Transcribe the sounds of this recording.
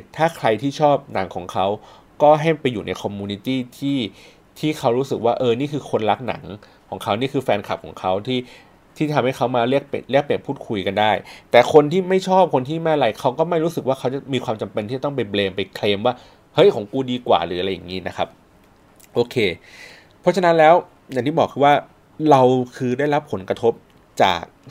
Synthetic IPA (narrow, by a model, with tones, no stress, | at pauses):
t̪ʰaː˥˩kʰɾa˧jt̪ʰiː˥˩t͡ɕʰɔː˥˩p̚na˩˦ŋkʰɔː˩˦ŋkʰa˦˥w | kɔː˥˩ɦa˥˩mpa˧jːuː˨˩na˧jkʰɔ˧mːuː˧ni˦˥t̪iː˥˩t̪ʰiː˥˩ | t̪ʰiː˥˩kʰa˦˥wɾuː˦˥sɯ˨˩k̚waː˥˩ʔɤː˧niː˥˩kʰɯː˧kʰo˧nla˦˥k̚na̰˩˦ŋkʰɔː˩˦ŋkʰa˦˥wniː˥˩kʰɯː˧fɛː˧nkʰa˨˩p̚kʰɔ̰ː˩˦ŋkʰa˦˥wt̪ʰiː˥˩ | t̪ʰiː˥˩t̪ʰa˧mha˥˩jkʰa˦˥wmaː˧ɾi˥˩ək̚pli˥˩ək̚pːi˨˩ənpʰuː˥˩kʰu˧jka˧ndaː˥˩jt̪ɛː˨˩kʰo˧nt̪ʰiː˥˩ma˥˩jt͡ɕʰɔː˥˩p̚kʰo˧nt̪ʰiː˥˩maː˥˩˨ɾa˧jkʰa˦˥wkɔː˥˩ma˥˩jɾuː˦˥sɯ˨˩kwaː˥˩kʰa˦˥wt͡ɕa˨˩miː˧kʰwaː˧mt͡ɕa˧mpe˧nt̪iː˥˩a˨˩ɔ˥˩p̬a˧jbleː˧mpa˧jkʰleː˧mwaː˥˩ | hɤ˦˥jkʰo˩˦ŋkuː˧diː˧kwa̰ː˨˩ɾɯː˩˦a˧ɾa˧jːa̰˨˩ŋiː˦˥na˦˥kʰa˦˥p̚ | ʔoː˧kʰeː˧ | pʰɾɔ˦˥t͡ɕʰa˧na˦˥nlɛː˦˥w | ja˨˩ŋt̪iː˥˩bɔː˨˩kʰɯː˧waː˥˩ | ɾa˧wkʰɯː˧da˥˩jɾa˦˥pʰːo˨˩˦nkɾa˧t̪ʰo˦˥p̚ | t͡ɕa̰ː˨˩k̚